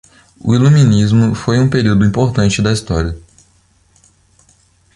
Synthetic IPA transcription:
ʊ̰ilũmĩnizmʊfojũpeɾiwd̪ʊĩpoɾt̪ɐ̃nt͡ʃɪd̪ɐist̪ɔɾiɐ

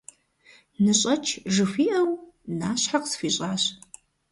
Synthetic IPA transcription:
nɨɕʼɐt͡ʃʰʒɨfʷiːʔɐwnaːɕħaqsfiːɕʼaːɕ

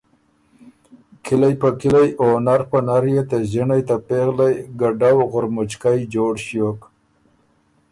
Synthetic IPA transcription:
kʰɪlajpəkɪlajonaɾpənaɾjet̪aʑinajt̪apeɣlajɡaɖawɣʊɾmʊt͡ʃkajd͡ʒoɽʃjok

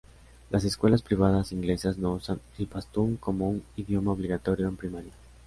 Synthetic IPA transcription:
lʔas̬e̞skwe̞laspɾiβ̞að̞asiŋɡle̞sazno̞usan | elpast̪uŋko̞mouniðjo̞maoβ̞liɣat̪oɾjoempɾimaɾja

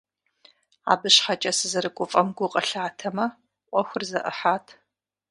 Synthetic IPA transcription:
a̰ːbɨɕħat͡ʃʼɐsɨzɐɾɨɡʷʼʊfʼɐmɡʷʊqʼɐɬaːtʰɐmɐ | ʔʷʼɔxʷʊrzɐʔɨħaːtʰ

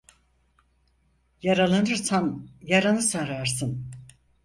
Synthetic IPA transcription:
jaɾalˠanɯɾsanjaɾanɯsaɾaɾsɯn

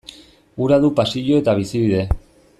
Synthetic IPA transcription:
uɾaðupasiʎoe̞t̪aβ̞isiβiðe̞

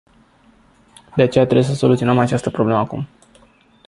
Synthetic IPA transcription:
d̪eat͡ʃe̞jat̪ɾe̞bjesəso̞lut̪sio̞nəmat͡ʃast̪əpɾoble̞məakum

